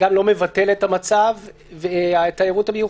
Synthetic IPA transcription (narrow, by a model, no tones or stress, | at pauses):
amlo̞me̞vate̞lethamat͡sav | veaet̪ajeʁuthabeju